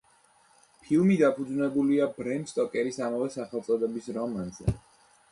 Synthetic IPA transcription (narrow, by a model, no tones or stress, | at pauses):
pʰilˠmid̪apʰud̪znɛbuliabɾɛnd̪st̪ʼɔkʼɛɾisamavɛsaχɛlˠt̪sʼɔd̪ɛbisɾɔmanzɛ̰